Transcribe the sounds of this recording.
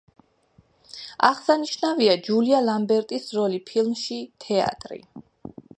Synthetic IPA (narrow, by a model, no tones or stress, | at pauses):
aʁsaniʃnaviad͡ʒulialambɛɾt̪ʼisɾɔlipʰilˠmʃit̪ʰɛa̰t̪ʼɾḭ